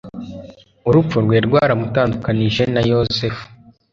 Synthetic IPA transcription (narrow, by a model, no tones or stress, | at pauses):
uɾupp͡fuɾɡwe̞ːɾɡwaːɾamutaːndukaniʒe̞najozefu̥